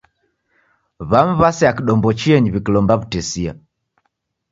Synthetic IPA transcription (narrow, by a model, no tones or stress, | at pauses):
βam̩βasɛakiɗɔmbɔt͡ʃiɛɲiβikilɔmbaβutɛsia̰